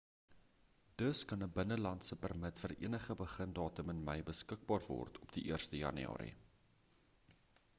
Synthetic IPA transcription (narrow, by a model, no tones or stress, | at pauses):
d̥əskɐnəbənəlɐntsəpərmətfəɾḭənəχəbəχəndɑːtəmənmə̰jbəskək̚bɑːrvɔ̰rtʰɔpd̥iʔiərstəjɐ̰nyɑ̰ːɾḭ